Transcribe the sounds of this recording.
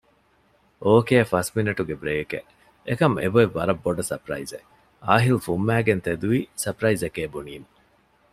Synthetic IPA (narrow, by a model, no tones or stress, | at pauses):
ʔoːkeːfɐsminiʈuɡebɾeːkḛ | ekɐmḛboeʋːɐɾɐbːoɖɐsɐ̰pɾɐ̰ize | aːɦilufumːæːɡent̪ed̪uʋisɐpɾɐizekeːbuniːme